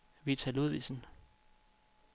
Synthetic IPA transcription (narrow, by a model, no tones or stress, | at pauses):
ʋit͡sʰæluðˠʋḭsn̩